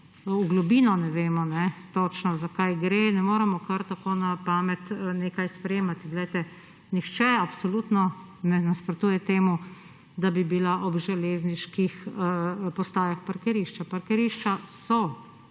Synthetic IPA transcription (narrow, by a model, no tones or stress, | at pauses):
uɡlubiːnɔnɛʋeːmɔnɛt̪ot͡ʃnɔzakajɡɾenɛmoːɾɛmɔkɐɾt̪akoːnapaːmɛt̪neːkajspɾɛjeːmat̪iɡlɛjt̪ɛ | nixt͡ʃɛapsɔlut̪nɔ | nɛnaspɾɔt̪uːjɛt̪eːmu | d̪abibilaʔɔbʒɛleːzniʃkix | pɔst̪aːjaxpaɾkɛɾiʃt͡ʃapaɾkɛɾiʃt͡ʃasɔ